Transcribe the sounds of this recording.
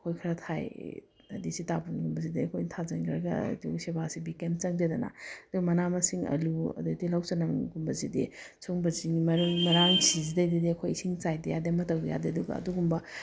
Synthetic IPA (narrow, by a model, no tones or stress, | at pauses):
kʰojkʰɐɾɐtʰaj | ɐdisitabunɡumbɐzidiɐkʰojntʰazɐŋɡɾɐ̰ɡɐ̰dṵsebasibikemt͡ʃɐŋdedɐna̰ɐd̥umɐnamɐsiŋɐ̰luɐ̰dudilawt͡ʃɐnaŋɡumbɐzidisʰoŋbɐziŋimɐɾuŋmɐɾaŋsizidɐjdidiɐkʰojisiŋt͡ʃajdejademɐtɐwja̰diɐduɡɐ̰ːduɡumbɐ